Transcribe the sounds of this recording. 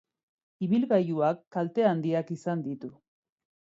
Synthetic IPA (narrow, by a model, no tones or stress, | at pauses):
iβilɣajuakːalt̪e̞and̪iakisand̪it̪u